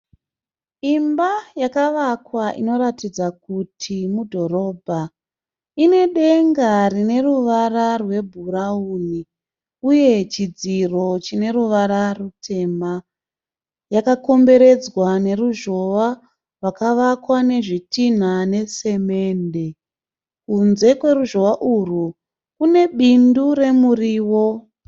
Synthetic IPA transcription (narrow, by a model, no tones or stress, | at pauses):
imbajakaʋakwaʔḭno̞ɾatid͡zak̚utʰimudʱo̞ɾo̞ːbʱa | ine̞ɗe̞ŋɡarine̞ruʋararwe̞bʱuɾauni | uje̞t͡ʃid͡ziro̞t͡ʃine̞ɾuʋaɾarutʰe̞ːma | jakako̞mbe̞ɾe̞d͡zwane̞ruʒo̞ʋa | rwakaʋakwane̞ʐitin̤ane̞se̞me̞ːnde̞ | kunze̞kwe̞ruʒo̞ʋaʔuru | kune̞ɓindure̞muriːwo̞